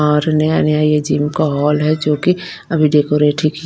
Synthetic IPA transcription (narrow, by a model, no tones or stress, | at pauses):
ɔːɾnɐjaːnejaijed͡ʒiːmkaɦɔːlɦɛd͡ʒoːki | ɐbʱiɖeːkoːɾeːʈʰiki